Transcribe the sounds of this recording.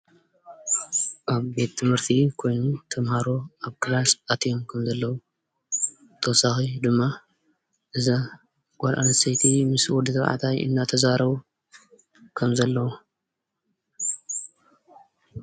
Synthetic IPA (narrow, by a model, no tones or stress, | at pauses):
ʔaβbe̞t̪ʰːɨmhɨɾt̪ʰikʰo̞jnut̪ʰɐmhaɾo̞ʔaβkʰɨlasat̪ʰijomkʰɐmzɐlːɐwu | t̪ʰɐwɔsaxid̪ɨmːa | ʔɨza | ɡ̥ʷaɾʔa̰nɐsɐjt̪ʰimɨswɔd̪ɨt̪ʰɐβʕa̰t̪ʰajʔɨ̰nːat̪ʰɐzaɾɐβu | kʰɐmzɐlːɐwu